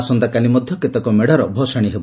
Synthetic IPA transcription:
sɔnd̪akalimɔd̪ʱjɔket̪ɔkɔmeɽaɾɔbʱɔsaɽ̃iɦebɔ

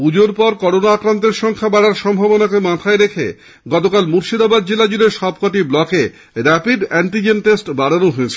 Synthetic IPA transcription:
pud͡ʑoɾpɔɾkɔɾonaakɾant̪̬eɾʃɔŋkʰabaɽaɾʃɔmbʱɔbonakemãt̪ʰaeɾekʰḛ | ɡɔt̪okalmuɾʃid̪abad̪̚d͡ʑelad͡ʑuleɾʃɔb̚koʈiblɔke | ɾɛpiɖɛɳʈid͡ʑenʈesʈbaɽanoɦoet͡ɕʰe

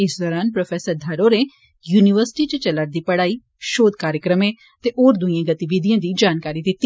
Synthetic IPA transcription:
ɪsd̪əɾaːnpɾəpʰɛːsəɾd̪ʱəɾoːɾeː | juːniʋəɾsʈiːt͡ʃət͡ʃələʈd̪iːpəɽaːiː | ʃoːd̪kaːɾjəkɾəmẽː | t̪eːʔoːɾd̪ʊĩjãːɡət̪iʋid̪ɪjãːd̪iːd͡ʒaːnkaːɾiːd̪ɪt̪ːiː

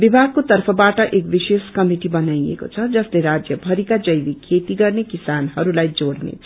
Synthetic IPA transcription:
bibʱaɡ̚kot̪ʌrpʰʌbaʈʌʔekbiseskʌmiʈibʌnajḛko̰t͡sʰʌd͡zʌsleɾad͡zjʌbʱʌɾikad͡zʌjbikʰet̪iɡʌrnekisanɦʌɾulajd͡zoɽnḛ

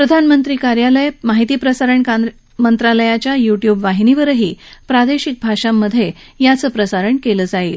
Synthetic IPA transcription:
pɾəd̪ʱanmənt̪ɾiːkaɾjaləjmaɦit̪iːpɾəsaɾəɳka | mənt̪ɾaləjat͡ɕjajuʈjuːbʋaɦiniʋəɾəɦiːpɾad̪eɕik̚bʱaʂamːəd̪ʱːje | jat͡səːpɾəsaɾəɳkeləːd͡zaiːl

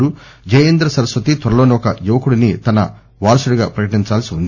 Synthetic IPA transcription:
ud͡ʒɐjɐnd̪ɾɐsɐɾɐsʋɐt̪it̪ʋɐɾɐlo̞ːniɔkɐjuʋɐkuɽinit̪ɐnɐ | ʋaːɾɐsuɽuɡaːpɾɐkɐʈiɲt͡ʃaːlɐsiund̪i

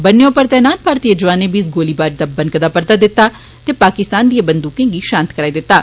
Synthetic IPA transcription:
bənːejõːpəɾt̪ɛ̃ːnaːnpaːɾt̪iːəd͡ʒʋaːneːbiːsɡoːliːbaːɾd̪aːbənkəd̪aːpəɾt̪aːd̪ɪt̪ːaː | t̪eːpaːkɪst̪aːnd̪ieːbənd̪uːkẽːŋɡiːʃãːnt̪kəɾaːiːd̪ɪt̪ːaː

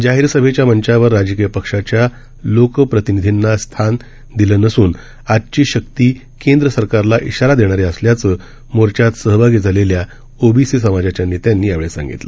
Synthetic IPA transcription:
d͡ʑaɦiɾsəbʱet͡ɕjaməɲt͡ɕaʋəɾːad͡ʑək̬ijəpəkʂat͡ɕja | lokəpɾət̪inid̪ʱinːast̪ʰan | d̪ilənəsuːn | ad͡ʑt͡ɕiːɕək̚t̪iː | kend̪ɾəsəɾkaɾlaʔiɕaɾad̪eɽ̃aɾeəsljat͡sə | moɾt͡ɕat̪səɦbʱaɡid͡zʱalelja | obʱisis̬əmad͡ʑat͡ɕjanːiːt̪janːiːaʋɭesã̰ŋɡḭt̪lə̰

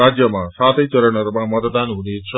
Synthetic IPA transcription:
ad͡ʒjəmãsat̪ʰejt͡ʃəɾəɳəɾmãmət̪d̪anunit̪t͡ʃʰ

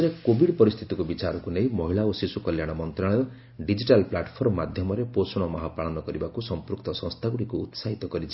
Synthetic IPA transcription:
ɾekobiɽpɔɾist̪ʰit̪ikubit͡ʃaɾɔkunej̃mɔɦiɭaosisukɔljaɽ̃ɔmɔnt̪ɾaɭɔjɔ | ɖid͡ʒiʈalplaʈpʰɔɾɔmːad̪ʱjɔmɔɾeposɔɽ̃ɔmɔɦapaɭɔnɔkɔɾibakusɔmpɾukt̪ɔsɔ̃st̪ʰaɡuɽikuːt̪saɦit̪ɔkɔɾit͡ʃʰi̥

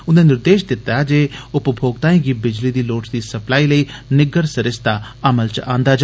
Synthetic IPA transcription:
ʊnd̪ẽnɪɾd̪eːʃd̪ɪt̪ːad͡ʒeːʊpbʱoːɡ̚t̪ãːĩːɡiːbɪd͡ʒlid̪iːloːʈsd̪iːsəplaːiːləiːnɪɡəɾsəɾɪst̪a | əməlt͡ʃãːnd̪aːd͡ʒa

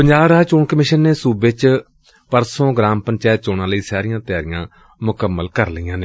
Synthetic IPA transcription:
pəɲd͡ʒaːbɾat͡ʃoːɳkəmɪʃənːeːsuːbɪt͡ʃ | pəɾsõːɡɾãːmpəɲt͡ʃɛːt̪̚t͡ʃoːɳãːləiːsaːɾijãːt̪ɪjaːɾɪjãː | mʊkəmːəlkəɾləiːãːneː

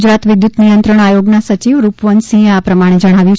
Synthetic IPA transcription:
d͡ʒɾat̪ʋɪd̪jut̪nijənt̪ɾəɳ̃ajoɡnasət͡ʃiʋɾupʋənsĩapɾəmaɽ̃ed͡ʒəɽ̃aʋjũ

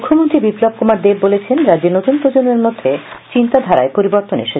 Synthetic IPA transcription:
ukʰːomont̪ɾibiplob̚komaɾd̪ebːolet͡ɕʰenɾad͡ʑeɾnot̪unpɾod͡ʑoneɾmod̪ʱːet͡ɕint̪ad̪ʱaɾaepoɾiboɾt̪onḛʃe

